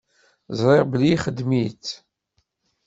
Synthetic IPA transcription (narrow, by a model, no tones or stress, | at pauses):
zˤɾˤɪʁbəliχəd̪mit͡sː